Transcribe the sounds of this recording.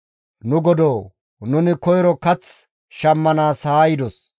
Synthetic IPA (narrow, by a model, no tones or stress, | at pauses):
nʊɡɔd̪oː | nʊnɪkɔjɾɔkɐt͡s | ʃɐmːɐnaːsaːjɪd̪ɔs